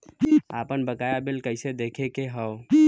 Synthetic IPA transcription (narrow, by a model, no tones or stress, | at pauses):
aːpənbəkaːjabɪlkəɪsed̪eːkʰekeɦəo